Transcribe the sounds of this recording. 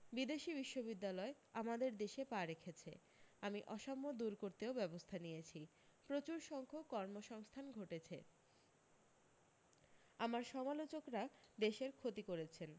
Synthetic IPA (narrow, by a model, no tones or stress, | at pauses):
bid̪eʃibiʃːobid̪ːalɔe | amad̪eɾd̪eʃepaɾekʰet͡ɕʰḛ | amiʔɔʃɔmːod̪uɾkoɾt̪eobɛbost̪ʰanijet͡ɕʰi | pɾot͡ɕuɾʃɔŋkʰokɔɾmoʃɔŋst̪ʰanɡʱoʈet͡ɕʰe | amaɾʃɔmalot͡ɕokɾad̪eʃeɾkʰot̪ikoɾet͡ɕʰen